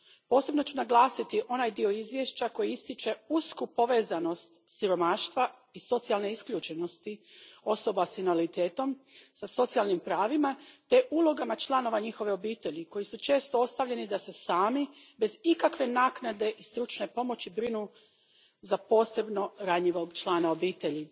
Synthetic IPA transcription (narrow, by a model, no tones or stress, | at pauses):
po̞ːse̞bno̞t͡ɕunaɡlˠaːsit̪iʔo̞najd̪io̞izʋje̞ʃt͡ɕako̞jiist̪it͡ʃe̞uskupo̞ʋe̞ːzano̞st̪siɾo̞maːʃt̪ʋa | iso̞t̪sialˠne̞iskʎuːt͡ʃe̞no̞st̪io̞so̞basinalit̪e̞ːt̪o̞msaso̞t̪sialnimpɾaːʋimat̪e̞ʔuːlˠo̞ɡamat͡ʃlˠano̞ʋaɲixo̞ʋe̞o̞biːt̪e̞ʎiko̞jisut͡ʃe̞ːst̪oo̞st̪aʋʎe̞nid̪ase̞saːmibe̞zikakʋe̞naːknad̪e̞ʔist̪ɾut͡ʃne̞po̞mo̞t͡ɕibɾinu | zapo̞ːse̞bno̞ɾaɲiʋo̞ɡt͡ʃlˠaːnao̞biːt̪e̞ʎi